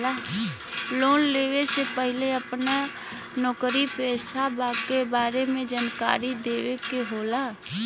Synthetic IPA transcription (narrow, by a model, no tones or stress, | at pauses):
aː | loːnleːʋesepəɦɪleəpna | nɔːkɾipeːsabaːkebaːɾemẽd͡ʒənka̰ːɾid̪eːʋekeɦoːlaː